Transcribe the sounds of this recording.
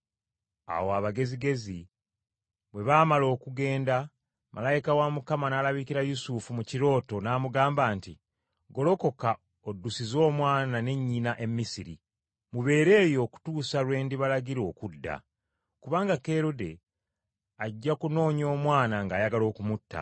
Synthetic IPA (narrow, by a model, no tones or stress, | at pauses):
a̰woaβaɡe̞ziɡe̞zi | βwe̞βaːmalo̞ːkuɡe̞ːnda | mʔa̰lajikawamukamanaːlaβikiɾajusufumuciɾo̞ːto̞naːmuɡaːmbaːnti | ɡo̞lo̞ko̞ka | odːusizo̞ːmwaːnane̞ɲːinaʔe̞mːisiɾḭ | muβe̞ːɾe̞ːjo̞ːku̥tuːsalwe̞ːndiβalaɟiɾo̞ːkudːa̰ | kuβaːŋɡakeɾude̞ | aɟːakuno̞ːɲo̞ːmwaːnaŋɡaːjaɡalo̞ːkumutːa̰